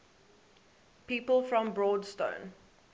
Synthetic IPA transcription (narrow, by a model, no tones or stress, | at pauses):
piːpəlˠfɹə̃mbɹɔːdstə̰̃ʊ̃n